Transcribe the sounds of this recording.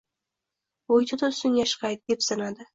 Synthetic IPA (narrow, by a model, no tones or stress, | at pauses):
ojt̪ʰɪt̪ʰʊsɪnjaʃqɑjt̪̚d̪e̞psanad̪ɪ